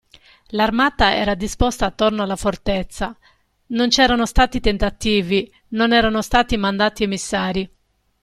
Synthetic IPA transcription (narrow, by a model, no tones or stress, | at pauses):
larmaːt̪aɛ̰ːɾad̪ispost̪aːt̪ːornoalːafort̪et̪sːa | nont͡ʃɛːɾanost̪aːt̪it̪ent̪at̪iːvi | nonɛːɾanost̪aːt̪imand̪aːt̪iemisːaːɾi